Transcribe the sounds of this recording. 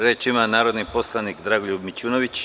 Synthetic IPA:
ɾeːt͡ʃimanaːɾod̪nipo̞slˠanikd̪ɾaːɡoʎubmit͡ɕuːnoʋit͡ɕ

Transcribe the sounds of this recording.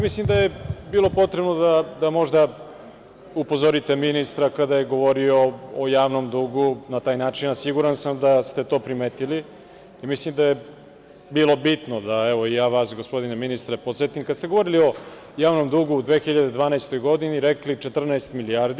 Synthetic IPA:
mislimd̪ajebiːlo̞po̞t̪ɾe̞bnod̪ad̪amo̞ʒd̪a | upo̞zoɾit̪e̞minist̪ɾakad̪aje̞ɡo̞ʋo̞ɾioːjaːʋnomd̪uːɡunat̪aːjnaːt͡ʃinasiɡuɾansamd̪ast̪e̞t̪o̞ːpɾimeːt̪ili | imislimd̪aje | biːlˠo̞bit̪nod̪aɛʋo̞ijaːʋaːsɡospo̞d̪ineminist̪ɾepot̪set̪imkad̪st̪e̞ɡooɾilio̞ | jaːʋnomd̪uːɡuːd̪ʋe̞ːxiʎad̪ed̪ʋaːnaest̪o̞jɡo̞d̪iniɾeklit͡ʃet̪r̩naest̪milijaɾd̪i

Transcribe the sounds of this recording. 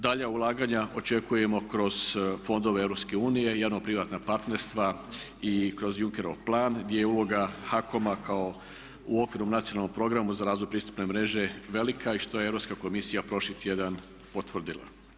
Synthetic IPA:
d̪aʎaulˠaːɡaɲaʔo̞t͡ʃe̞kuje̞mo̞kɾo̞z̥fo̞nd̪o̞ʋeevɾopske̞uːnije̞jaːʋnopɾiʋaːt̪napaɾt̪ne̞ɾst̪ʋa | ikɾo̞zjuŋke̞ɾo̞̰ʋplˠaːnɡd̪jejeuːlˠo̞ɡaxako̞makao | uo̞kʋiɾnomnat̪sionalˠːompɾo̞ɡɾamuzaɾaːzʋojpɾiːst̪u̥pne̞mɾe̞ʒe̞ʋe̞likʰaiʃt̪o̞jeeɾo̞pskako̞misijapɾo̞ʃlit̪ʰʲje̞d̪an | po̞t̪ʋr̩d̪ilˠa̰

